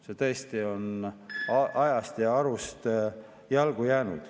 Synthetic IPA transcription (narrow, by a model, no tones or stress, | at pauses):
set̪ɤ̞est̪io̞nɑʔɑjɑst̪jɑɑɾust̪ | jɑlɡ̥ujæːnṵd̪̥